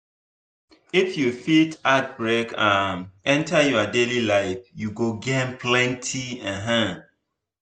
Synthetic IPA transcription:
ifjufitat̚bɹekʰãnɛ̃ntʰajɔadelilaɪfjuɡoɡempʰlɛ̃ntʰiãɦã

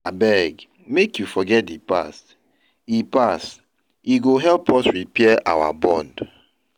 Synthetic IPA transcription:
abɛɡ | mekjufɔɡɛt̚dipa̰st | ipas | iɡoɦɛlpɔsɹipɛʔa̰wa̰bɔ̰̃nd

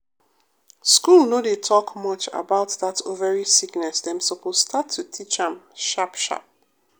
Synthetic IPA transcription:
skulnodetʰɔkmʌt͡ʃa̰baʊtðatʰovəɹisiɡnɛsðɛ̃msopostʰatʰːutʰit͡ʃə̃mʃapʃa̰p̚

